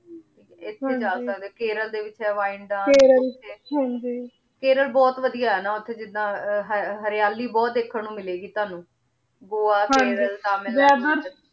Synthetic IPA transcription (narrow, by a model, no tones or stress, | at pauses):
ʈʰiːkɛɪt̪ʰːẽːd͡ʒaːsəkd̪eːkeːɾəld̪eːʋɪt͡ʃɦɛːʋaːɪɳɖãːeːɾəlt̪ʰeːɦãd͡ʒiː | keːɾəlbɔːt̪ʋəd̪ijaːɦɛːnaːʊt̪ʰːeːd͡ʒɪd̪ãːɦəɦəɾɪjaːliːbɔːt̪̚d̪eːkʰːəɳũːmɪleːɡiːt̪ʊaːnũː | ɡoːaːkãːɾəlt̪aːmɪlaːdə